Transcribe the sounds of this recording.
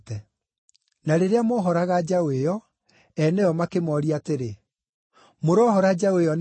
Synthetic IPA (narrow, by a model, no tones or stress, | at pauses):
tɛ | naɾeɾeamoɦɔɾaɣad͡ʒawejɔ | ɛnɛɔmakemɔɾiateɾe | moɾɔːhɔɾad͡ʒawejɔn